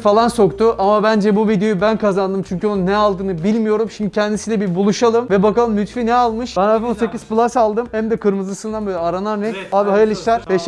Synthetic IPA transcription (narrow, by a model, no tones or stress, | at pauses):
falˠanso̞kt̪ʰʊʔamabænd͡ʒɛbuvid̪ejo̞jubænkʰazand̪ɯmt͡ʃʰyɲcʰyo̞nunːɛalˠd̪ɯːnɯbilʲmijo̞ɾumʃimd̪ycʰɛnd̪isilʲɛbiɾbulˠuʃalˠɯmvɛbakalˠɯmlʲyt̪finɛalˠmɯʃanajʲfo̞nse̞cizplˠasalˠd̪ɯmhæmd̪ɛkʰɯɾmɯzlˠɯsɯnd̪anbøjlʲɛaɾanaɾnɛcaːbiɦajɯɾliʃlʲæɾbɛʃ